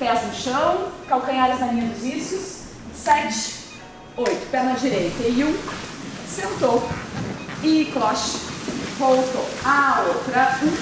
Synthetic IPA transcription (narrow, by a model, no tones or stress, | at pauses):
pɛznʊʃɐ̃w̃kawkɐ̃ɲaɾɐznɐmĩɲɐd̪ʊzvisjʊs | sɛt͡ʃɪ̥ɪ̥ | ojt̪ʊ̥pɛɾnɐd͡ʒiɾejt̪ɐiũ | sẽnt̪o | ɪklɔʃ | vowt̪oaowt̪ɾɐũ